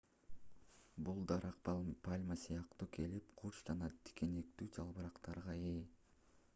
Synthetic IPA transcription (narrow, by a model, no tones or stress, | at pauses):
bulˠd̪ɑɾɑq̚ppalʲmasijɑqt̪uːkʰe̞lipqʰuɾt͡ʃd͡ʒɑnɑt̪ʰi̥ke̞ne̞k̚t̪yːd͡ʒʰɑlˠβɯɾɑqt̪ɑɾʁɑe